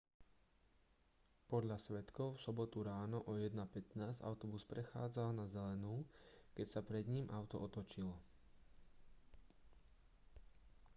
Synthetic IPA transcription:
pɔd̪ʎasʋɛt̪kɔʊfsɔbɔt̪uɾaːnɔʔɔjɛd̪napɛt̪naːza̰ʊt̪ɔbuspɾɛxaːd͡zalnazɛlɛnuːkɛcsapɾɛd̪ɲimʔaʊt̪ɔʔɔt̪ɔt͡ʃilɔ

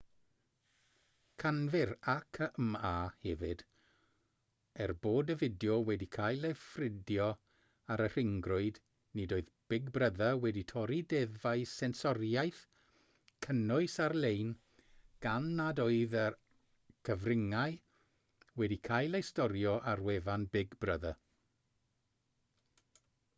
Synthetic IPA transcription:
kʰanvɪɾakʰəʔmaːhɛvɪd̥ | ɛrboːdəvɪdjɔwɛdikʰaːjlˠefrɪdjɔ | aɾər̥ɪŋɡrʊɨd | nɨdoːɨðb̥ɪɡbrəðawɛditʰɔɾidɛðvaɨsɛnsɔrjajθ | kʰənʊɨsarlejn | ɡ̥anːadoːɨðə | kʰəvrɪŋaɨ | wɛdikʰajlˠejstɔɾjɔʔarwɛvanbɪɡbrəða

